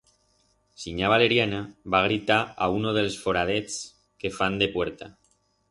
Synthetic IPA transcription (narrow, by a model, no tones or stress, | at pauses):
siɲaβ̞aleɾjanaβaɣ̞ɾit̪aaunoð̞elsfoɾaðet͡s | kefand̪epweɾt̪a